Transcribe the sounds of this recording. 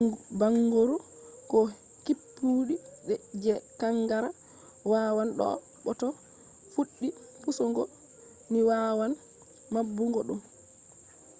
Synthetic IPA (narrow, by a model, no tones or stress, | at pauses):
baŋɡoɾu | kɔ | kipːuɗiɗɛd͡ʒɛkaŋːɡaɾa | wawanɗɔ̰ | ɓɔtɔ | fuɗːi | pusɔŋɡɔ | miwaːwan | mabːuŋɡɔɗum